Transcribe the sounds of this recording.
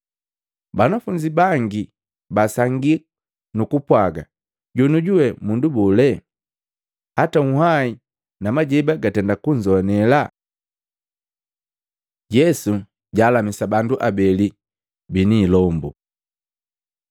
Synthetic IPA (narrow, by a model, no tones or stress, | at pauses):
banafuɲd͡ʒibaŋɡi | basaŋɡi | nukupwaɡa̰ | ɟunuɟuwɛmundubɔlɛ | hataŋuhai | namaɟɛbaɡatɛndakuɲd͡ʒɔnɛla | ɟɛsu | ɟaːlamisabanduʔabɛli | biniːlɔmbu